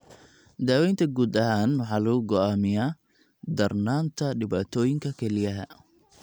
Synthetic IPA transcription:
d̪aːwɛjnt̪ʰɐɡuːd̪ɐhaːnwɑħɑːlɐɣʊɡɔaːmɪjaː | d̪ɐrnaːnt̪ʰɐɖɪβaːt̪ʰɔːjɪŋkʰɐkʰɛlɪjɐɦɐ̰

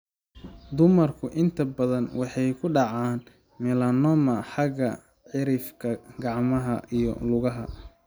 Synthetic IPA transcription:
d̪ʊmɐrkʰʊʔɪnt̪ʰɐbɐðɐnwɑħɑjkʰʊɖɑʕɑːn | mɛlɐnɔmɐħɑɡɐ | ʕɪɾɪfkʰɐɡɑʕmɐɦɐ̰ʔijɔ̰lʊɣɐɦɐ̰

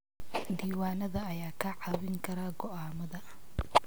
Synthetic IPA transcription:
d̪iːwaːnɐðɐːjaːkʰɐʕɑβɪŋkʰɐɾaːɡɔʔaːmɐðɐ

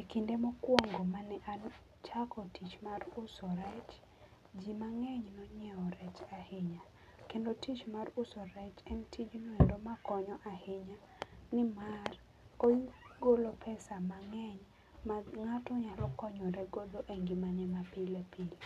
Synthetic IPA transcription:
ekindemɔkwɔŋɡomanɛʔan | t͡ʃakɔtit͡ʃmarʊsɔɾɛt͡ʃ | d͡ʒimaŋɛɲnɔɲɛɔɾɛt͡ʃahɪɲa | kendotit͡ʃmarʊsɔɾɛt͡ʃɛntʰid͡ʒnɔendomakɔɲɔʔahɪɲa | nɪmar | koɡolopʰɛsamaŋɛɲ | maŋatɔɲalɔkɔɲɔɾɛɡod̪oʔeŋɡimanɛmapilepil

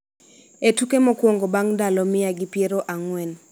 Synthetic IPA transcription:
etukemɔkwɔŋɡɔbaŋdalɔmɪjaɡɪpjeɾoʔaŋwɛn

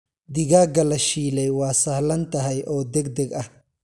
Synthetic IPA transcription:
d̪ɪɣaːɡɐlɐʃiːlɛjwaːsɐhlɐnt̪ɐɦɐjʔɔːd̪ɛɡ̚d̪ɛɡɐh

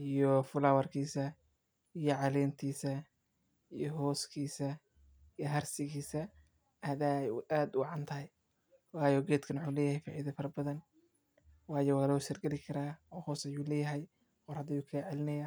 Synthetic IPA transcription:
ijɔfʊlaːwɐrkʰiːsɐ | ijɔʕɑlɛːnt̪ʰiːsɐ | ijɔɦɔːskʰiːsɐ | ijɔɦɐrsɪɣiːsɐ | ɐðajaːd̪ʊɑʕɑnt̪ʰɐhɛj | wɑːjɔːɡɛːt̪kʰɐnwʊħuːlɛːjɐhɛjfa̰ːʕiðɐfɐɾɐbɐðɐn | wɑːjɔːwlɔsɐrɡɛlɪkʰɐɾaːɔːhɔːsɐjuːlɛːjɐɦɛj | ɔrhɐd̪ɐjuːkʰɐʕɛlɪnɐjaː

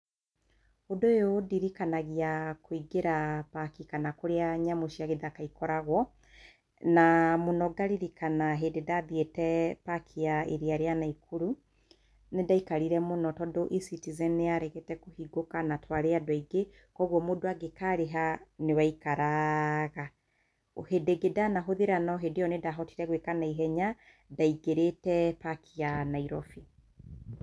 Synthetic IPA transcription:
hodoeodiɾikanaɣiakoiɡeɾapakikanakoɾeaɲamoʃiaɣeðakaikɔɾaɣwɔ | namonɔɡaɾiɾikanaɦededaðjetɛpakʰiaeɾiaɾeanaikʰuɾu | nedaikaɾiɾɛmonɔtɔdoʔisitizɛneaɾɛɣetɛkohiɡokanatwaɾeadwaiɡe | kɔɣwɔmodoaɡekaɾeɦanewaikaɾaɣa | ohedeɡedanaɦoðeɾanaoɦedeɔnedaɦɔtiɾɛɣwekanaiɦɛɲa | daiɡeɾetɛpakʰianaiɾɔfi

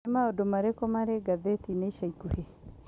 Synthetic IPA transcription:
ɛmaɔdɔmaɾekɔmaɾɛɡaðetineiʃaikuhe

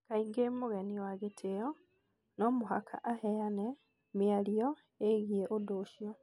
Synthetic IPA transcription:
kaiŋɡeːmumuɣeniwaɡitʰeo | nomuɦa̰kʰa̰ʔahejane | mialijo | eɣieʔodoːʃjo

